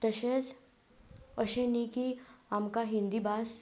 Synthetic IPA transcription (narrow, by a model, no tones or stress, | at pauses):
t̪əʃes | əʃenikiamkaɦɪ̃nd̪ibaːs